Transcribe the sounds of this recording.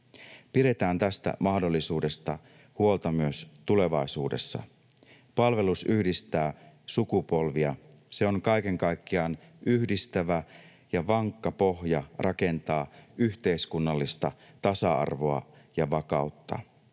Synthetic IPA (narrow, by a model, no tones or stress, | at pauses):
piɾe̞t̪æːnt̪æst̪æ̰mɑhdo̞lːisuːde̞st̪ɑ | huo̞lt̪ɑmyøst̪ule̞ʋɑisuːde̞̰sːɑ̰ | pɑlʋe̞lusyhdist̪æː | sukupo̞lʋiɑ | se̞o̞ŋkɑjke̞ŋkɑjkːiɑːnʔyçdist̪æʋæ | jɑʋɑŋkːɑpo̞hjɑrʔɑke̞nt̪ɑːyçt̪e̞iskunːɑlːist̪ɑ | t̪ɑsɑɑ̰rʋo̞ɑ̰ | jɑʋɑkɑuwt̪ːɑ̰